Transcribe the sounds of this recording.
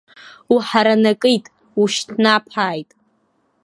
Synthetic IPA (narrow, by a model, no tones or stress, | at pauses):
uħaɾanakʼɨjtʼ | uʃtʰnapʰaːjtʼ